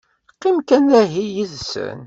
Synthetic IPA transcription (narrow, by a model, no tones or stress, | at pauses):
qːimkænæɦijiðsə̰n